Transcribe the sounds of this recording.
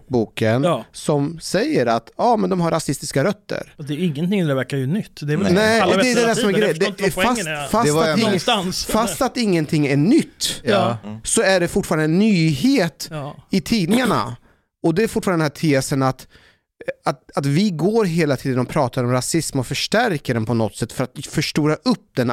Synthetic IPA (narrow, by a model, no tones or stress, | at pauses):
buːkənsɔmsɛjːəɾa̰t̪jɑːmɛnd̪ɔmɦaɾasɪst̪ɪskaɾœt̪ːə̰ɾd̪ɛɪŋːənt̪ɪŋd̪ɛvæɾkajœnʏt̪ːd̪ɛnɛd̪ɛd̪ɛd̪æsɔmɛɾɡɾɛjəd̪ɛɛasfaɛsnsfast̪at̪ɪŋːənt̪ʰɪŋːæɳʏt̪ː | sɔæɖɛfʊʈːfɑːɾanɛnːyːheːt̪ɪt̪ʰiːd̪nɪŋaɳa̰ | ɔd̪ɛæɾfʊʈfɑːɾɛnæːʈ̪ʰeːsənat̪ | at̪at̪vɪɡoːɾɦeːlat̪ʰiːd̪ənɔmpʰɾɑːt̪ʰaɾɔmɾasɪsmɔfœʂʈæɾkəɖɛnpʰɔnɔt̪ːsɛt̪ːfœɾat̪fœʂʈuːɾaʔɵp̚ːd̪ɛn